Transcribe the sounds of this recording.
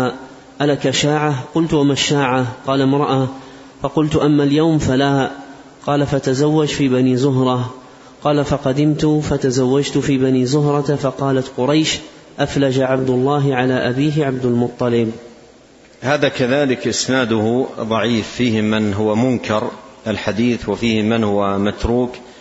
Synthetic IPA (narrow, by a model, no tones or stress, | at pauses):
ʔalakaʃaːʕaqʊlt̪wamaʃːaːʕaqɑːlamɾˤɑʔa | fɑqʊlt̪ʊʔamːaljawmfalaː | qɑːlafat̪azawːad͡ʒfiːbaniːzʊɦɾˤɑ | qɑːlafɑqɑd̪ɪmt̪ʊfat̪azawːad͡ʒt̪ʊfiːbaniːzʊɦɾˤɑt̪fɑqɑːlat̪qʊɾˤɑjʃ | ʔaflad͡ʒaʕab̚d̪ʊlˤːɑːɦɪʕalaːʔabiːɦɪʕabd̪ʊlmʊt̪ˤːɑlɪb | haːðakaðaːlɪkʔɪsnaːd̪ʊhðˤɑʕiːfːiːhɪmɪnɦʊwamʊnkʰɑɾˤʔalħad̪iːθwafiːhɪmɪnhʊwamat̪ɾuːk